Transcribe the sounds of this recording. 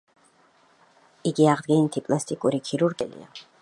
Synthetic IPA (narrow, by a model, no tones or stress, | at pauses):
iɡiaʁd̪ɡɛnit̪ʰipʼlast̪ʰʼikʼuɾikʰiɾuɾɡɛlḭa̰